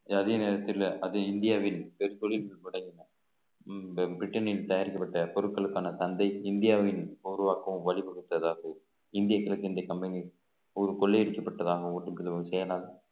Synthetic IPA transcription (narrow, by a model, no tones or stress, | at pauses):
ɐðeːɐneːɾɐt̪ːɪlʔɐðɯɪnd̪ɪjaːʋɪnpɛɾɯt̪ɔɭɪlɐmɪɽɐŋɡɪnːɐ | bɾɪʈːɐnɪlt̪ɐjaːɾɪkːɐpːɐʈːɐpɔɾɯkːɐɭɯkːaːnɐsɐnd̪ɐɪɪnd̪ɪjaːʋɪnuːɾʊʋaːkːɐɯmʋɐɭɪpɐɽɯt̪ːɐðaːɣɐ | ɪnd̪ɪjɐkːɪlɐkːɪnd̪ɐjɐkɐmbɐni | ɔɾɯkɔɭːɛɛɽɯkːɐpːɐʈːɐðaːɣɐ̃ɔʈːɯmɾðɯʋɐŋɡsɛjɐlaːɣɐ